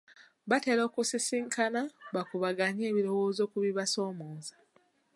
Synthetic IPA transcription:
βate̞ːɾo̞ːkusisiŋkʰanaβakuβaɡaɲe̞ːβiɾo̞woːzo̞ːkuβiβaso̞ːmoːza

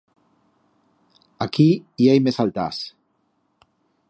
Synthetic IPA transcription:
akiiajmesalt̪a̰s

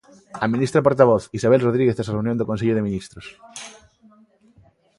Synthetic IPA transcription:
amĩnist̪ɾapoɾt̪aβ̞oθisaβ̞elroð̞ɾiɣeθesareunjõnd̪okõnseʎoð̞emĩnist̪ɾos

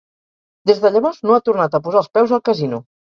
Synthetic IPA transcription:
d̪ezðəʎəβɔznoat̪urnat̪əpuzalˠspɛwzəlˠkəzinu

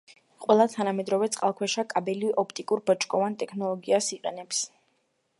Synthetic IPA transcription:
qʼwɛlˠat̪ʰanamɛd̪ɾɔvɛt̪sʼqʼalˠkʰwɛʃakʼabɛliʔɔpʰt̪ʼikʼuɾbɔt͡ʃʼkʼɔvant̪ʼɛkʰnɔlˠɔɡiasiqʼɛnɛps

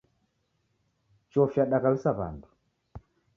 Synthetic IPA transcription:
t͡ʃɔfjaɗakalisaβa̰ndu̥

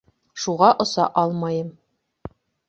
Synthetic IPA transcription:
ʃuʁɑʔŏsɑ̰ʔɑlˠmɑjɤm

